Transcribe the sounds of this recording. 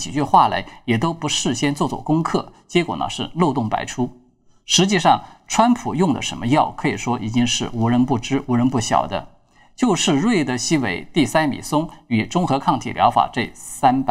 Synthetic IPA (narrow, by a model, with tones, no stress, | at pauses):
t͡ɕi˨˩t͡ɕy˥˧xwa˥˩la̰˧˥ɪjɛ˨˩t̪o˥ʊpu˧˥ʂɻ̩˥˩ɕjɛ˥nt͡swɔ˥˧t͡swɔ̰˥˩kʊ˥ŋkʰɤ˥˩t͡ɕjɛ˥kwɔ̰˨˩nə̰˧˦ʂɻ̩˥˧lo˥˧ʊt̪ʊ˥˩ŋpa̰˧˥ɪʈ͡ʂʰu˥ | ʂɻ̩˧˥t͡ɕi˥˧ʂɑ˥˩ŋʈ͡ʂʰwa˥npʰu˨˩jʊ˥˩ŋd̪ə̰˩ʂə˧˥nmə˧jɑ˥˩ʊkʰɤ˧˥i˨˩ʂwɔ˥ʔi˨˩t͡ɕi˥ŋʂɻ̩˥˩u˧˥ɻə˧˥npu˥˩ʈ͡ʂɻ̩˥u˧˥ɻə˧˥npu˥˩ɕjɑ̰˨˩ʊd̪ə̰˦ | t͡ɕjo˥˧ʊʂɻ̩˥˧ɻwe˥˩ɪd̪ə˩ɕi˥we˧˥ɪt̪i˥˩sa˥nmḭ˨˩sʊ˥ŋy˨˩ʈ͡ʂʊ˥ŋxɤ˧˥kʰɑ˥˩ŋt̪ʰḭ˨˩ljɑ̰˧˥ʊfa̰˨˩ʈ͡ʂe˥˩ɪsa˥np